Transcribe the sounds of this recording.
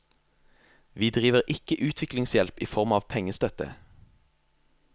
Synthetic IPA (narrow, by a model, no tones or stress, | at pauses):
ʋiːd̪ʁiːʋəʁʔɪkəʔʉːt̪ʰʋɪklɪŋsjɛlpiːfɔʁmɑːʋpʰɛŋəst̪œt̪ə̰